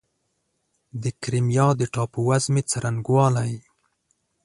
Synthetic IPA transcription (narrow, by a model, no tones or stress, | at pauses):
d̪əkɾɪmjɑd̪əʈɑpuwazmet͡saɾanɡwɑlaj